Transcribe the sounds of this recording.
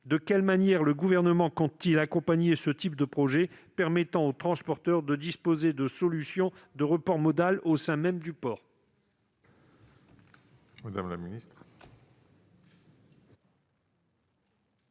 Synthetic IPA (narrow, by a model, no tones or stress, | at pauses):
d̪əkʲɛlmanjɛʁləɡuvɛʁnəmɑ̃kɔ̃t̪ːilakɔ̃paɲesət̪ip̚d̪əpχɔʒɛpɛʁmɛt̪ɑ̃ot̪χɑ̃spɔʁt̪œʁd̪əd̪ispozed̪əsɔlysjɔ̃d̪əʁəpɔʁmɔd̪alosɛ̃mɛmd̪ypɔːʁ | mad̪amlaminist̪χ